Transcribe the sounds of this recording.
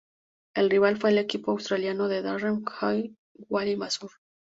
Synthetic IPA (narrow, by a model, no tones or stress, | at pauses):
elriβalfwe̞ːle̞kipoawst̪ɾaljanoðe̞ðaremkaj | ɡwalimasuɾ